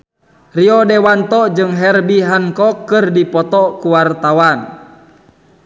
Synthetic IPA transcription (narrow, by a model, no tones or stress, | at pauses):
riɔdɛwant̪ɔd͡ʒɨŋɦɛrbiɦankɔkːɨrdipɔt̪ɔkuwart̪awan